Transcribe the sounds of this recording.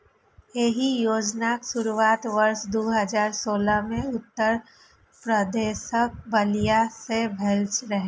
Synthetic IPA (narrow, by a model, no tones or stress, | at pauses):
jeɦijoːd͡ʒnaːksʊɾuaːt̪ʋɐɾʃd̪oːɦɐd͡ʒaːɾsoːlamẽʊt̪ːəɾ | pɾəd̪eːʃək̚bɐlijasebʱɛːlt͡ʃɾɐɦẽː